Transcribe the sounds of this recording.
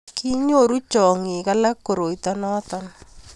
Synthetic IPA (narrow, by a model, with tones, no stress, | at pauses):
ki˦ɲo˦˨ɾu˦t͡ʃɔ˨ŋi˨ka˦la˦kːo˨ɾo˨itɔ˦nɔː˦t̪ɔ˦n